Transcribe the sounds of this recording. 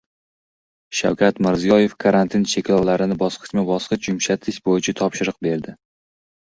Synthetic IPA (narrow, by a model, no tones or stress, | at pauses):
ʃa̰wkʰʲat̪mɪɾzijɒje̞fkʰaɾant̪ʰɪnt͡ʃʰe̞kʲlɒwlaɾɪnɪbɒsqʰɨ̥t͡ʃmabɒsqɨt͡ʃjʊmʃat̪ʰɪʃbojɪt͡ʃʰat̪ʰɒpʃɪɾɨq̚be̞ɾd̪ɪ